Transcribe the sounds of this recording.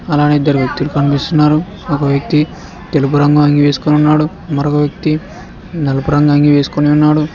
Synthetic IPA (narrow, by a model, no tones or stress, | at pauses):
ɐlaːnid̪ːɐɾiʋjɐk̚t̪ilukɐnipist̪unːaːɾu | ɔkɐʋjɐk̚t̪i | t̪e̞lup̬uɾɐŋɡuaŋɡiʋe̞ːsu̥koniunːaːɽu | mɐɾokɐʋjɐk̚t̪i | nɐlɐpuɾɐŋɡaːŋɡiʋe̞ːsu̥koniunːaːɽu